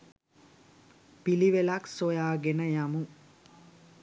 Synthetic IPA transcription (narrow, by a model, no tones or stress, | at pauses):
piliʋelaksojaːɡenəjamu